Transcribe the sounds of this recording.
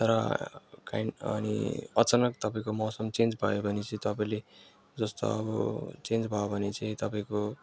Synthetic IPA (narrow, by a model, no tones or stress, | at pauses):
t̪ʌɾʌka̰inʌ̰nḭʌt͡sanʌkt̪ʌpaĩkomʌsʌmt͡send͡zbʱʌjobʱʌnet͡sʌĩt̪ʌpaĩle | d͡zʌst̪o̰ʌ̰bʌt͡send͡zbʱʌjobʱʌnet͡saĩt̪ʌpaĩko